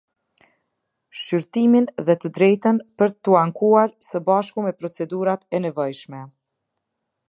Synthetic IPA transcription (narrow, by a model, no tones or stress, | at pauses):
ʃyɾt̪iminðɛt̪əd̪ɾɛjt̪ənpəɾt̪ːuaŋkuaɾsəbaʃkumɛpɾɔt͡sɛd̪uɾat̪ɛnɛvɔjʃmɛ